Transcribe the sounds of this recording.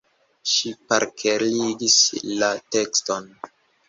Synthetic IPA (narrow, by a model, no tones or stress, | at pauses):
ʃipaɾkʰeɾiɡislate̞kston